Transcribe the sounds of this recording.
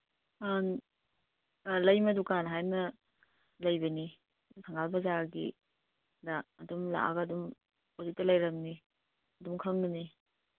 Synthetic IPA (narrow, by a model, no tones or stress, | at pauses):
an | lɐjmɐdukanɦajmɐ | lɐjbɐni | msʰaŋalbɐzaɡḭ | dɐːdumla̰ʔa̰ɡɐdum | ozik̚tɐlɐjɾɐmni | ɐdumkʰɐŋnɐni